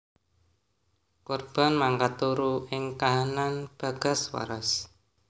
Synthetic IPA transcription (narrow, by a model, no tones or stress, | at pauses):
kɔrb̥a̤nmaŋkat̪uɾuɪŋkaɦananb̥ä̤ɡ̥a̤swa̰ɾas